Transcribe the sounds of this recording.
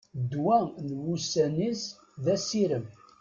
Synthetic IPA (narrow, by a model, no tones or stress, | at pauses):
d̪wænwusænis | ðæsiɾəm